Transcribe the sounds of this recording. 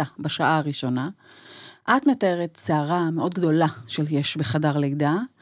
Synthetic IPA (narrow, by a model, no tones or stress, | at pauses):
abaʃaʔaaʁiʃo̞na | ʔatme̞taeʁett͡seaʁameʔo̞dɡdo̞laʃeljeʃbeχadaʁlejda